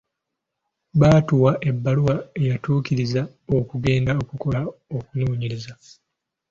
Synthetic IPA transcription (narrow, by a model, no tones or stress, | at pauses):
baːtuwaʔe̞bːaluwaejatuːkiɾiza | o̞kuɡe̞ːndaokuko̞lao̞kunuːɲiɾiza